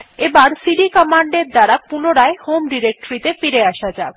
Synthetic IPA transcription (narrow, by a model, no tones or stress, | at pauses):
ebaɾsiɖikɔmaɳɖeɾd̪aɾapunoɾaehomɖiɾek̚ʈoɾit̪efiɾeaʃad͡ʑab